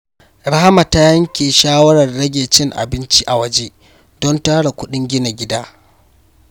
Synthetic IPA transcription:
ɽɐ˦ha˦ma˨ta˦jɐ˦ŋkʲeː˨ʃaː˦wɐ˦ɽɐ˨rːɐ˦ɡʲeː˨t͡ʃɪ˦ŋʔa̰˨bɪ˦nt͡ʃi˦ʔa˨wɐ˦d͡ʒeː˦ | dɔ˦ntaː˦ɽa˨kʷʊ˦ɗɪ˦ŋɡʲɪ˦na˨ɡʲɪ˦daː˦

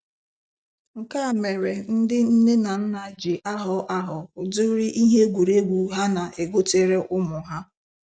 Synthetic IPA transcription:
ŋ̩˨ka˦˨me˨ɾe˨n̩˦dɪ˦n̩˦ne˦na˨n̩˦na˨d͡ʒi˨ʔa˦ɦʊ˨ʔa˦ɦʊ˨ʊ˨dʊ˦ɾi˦ʔi˦ɦe˦ɡʷu˨ɾe˦ɡʷu˨ɦa˦na˨ʔe˨ɡo˦te˨ɾe˦ʔʊ˦mʊ˨ɦa˦

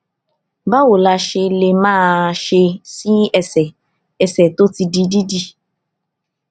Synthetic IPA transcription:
ba˦wo˨la˧ʃe˧le˨mãː˦˨ʃe˧si˦ɛ˨sɛ˨ | ɛ˨sɛ˨to˦ti˧di˧di˦di˦

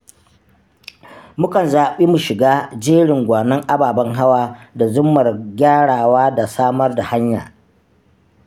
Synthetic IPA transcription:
mʊ˦kɐ˨nzaː˨ɓiː˦mu˨ʃɪ˨ɡaː˦d͡ʒeː˦ɽɪ˨ŋɡʷaː˨nɐ˦ŋʔa˦baː˨bɐ˦ŋɦa˦waː˦da˨zʊ˦mːɐ˨rɡʲaː˦ɽaː˨waː˦da˨saː˦mɐ˦rda˨ha˦ɲja̰ː˨

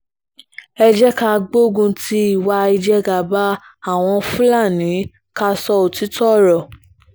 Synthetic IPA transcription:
ɛ˧d͡ʒɛ˦ka˧ɡ͡bo˦ɡũ˧ti˧˦i˦˨wa˧i˧d͡ʒɛ˦ɡa˨ba˦ | a˦˨w̃ɔ̃˧fũ˦la˦˨nĩ˨˦ | ka˧sɔ˧o˨ti˨˦tɔ˦˨ɾɔ˨

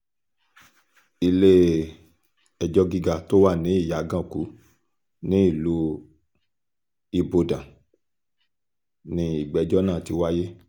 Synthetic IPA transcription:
i˧le˦ | ɛ˨d͡ʒɔ˧ɡi˧ɡa˨to˦wa˦˨nĩ˨˦i˦˨ja˨˦ɡã˦˨ku˨˦ | nĩ˦i˦˨lu˦ | i˧bo˧dã˨ | nĩ˧i˨ɡ͡bɛ˨˦d͡ʒɔ˦nãː˦˨ti˧wa˦je˦

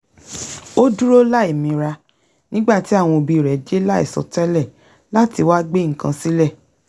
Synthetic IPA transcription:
o˦du˦ɾo˦la˦e˨mĩ˧ɾa˧ | nĩ˦ɡ͡ba˦˨ti˨˦a˦˨w̃ɔ̃˧o˨˧bi˧˨ɾɛ˨d͡ʒe˦la˦ḭ˦˨sɔ̰˨tɛ˦lɛ˦˨ | la˦ti˧wa˦ɡ͡be˦ŋ̩˨kã˧si˦lɛ˦˨

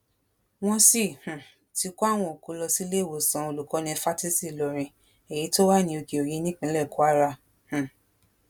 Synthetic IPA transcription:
w̃ɔ̃˧si˦˨h̩˨ | ti˧ko˦a˦˨w̃ɔ̃˧o˨ko˨˦lɔ˧si˦le˦˨wo˨sã˨˦o˧˨lu˨kɔ˨˦nĩ˧fa˦ti˦si˦˨lɔ˨ɾ̃ĩ˧ | e˨ji˨˦to˦wa˦˨nĩ˧o˧ki˨o˨ji˧˦nĩ˦k͡pĩ˧˦lɛ˦˨ko˨˦a˦ɾa˧˨ | h̩˨

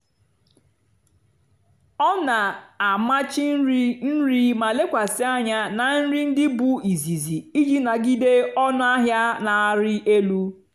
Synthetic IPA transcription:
ɔ˦na˨a˨ma˦t͡ʃi˦ɾn̩˦ɾi˦ma˨le˦kʷa˨sɪ˦a˦ɲa˦na˨n̩˦ɾi˦n̩˦dɪ˦bu˦i˨zi˨zi˨i˦d͡ʒi˦na˨ɡi˦de˦ɔ˦nʊ˦a˦ɦja˦na˨a˦ɾɪ˦ʔe˦lu˦

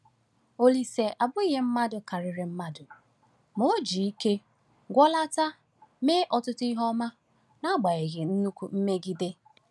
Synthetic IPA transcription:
o˨li˨se˨ʔa˨bʊ˦i˦ɦe˦m̩˦ma˦dʊ˨ka˨ɾɪ˨ɾɪ˨m̩˦ma˦dʊ˨ | mo˨o˦d͡ʒi˨i˦ke˦ | ɡʷɔ˦la˦ta˦ | me˦ʔɔ˨tʊ˦tʊ˦i˦ɦɔ˦ma˦ | na˦ɡ͡ba˨ɣe˨ɣɪ˨n̩˦nu˦kʷṵ˨m̩˦me˦ɡi˦de˦

